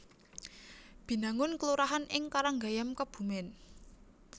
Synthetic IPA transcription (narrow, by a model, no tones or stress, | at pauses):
b̥i̤naŋʊnkəluɾaɦanʔɪŋkaɾaŋɡajamkəb̥ṳmɪn